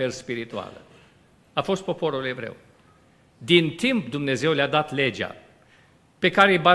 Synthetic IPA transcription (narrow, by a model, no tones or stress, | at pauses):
erspiɾit̪ua̰lə̰ | afo̞st̪̚po̞po̞ɾulevɾḛw | d̪int̪impd̪umnezewlead̪at̪led͡ʒa̰ | pekaːɾejba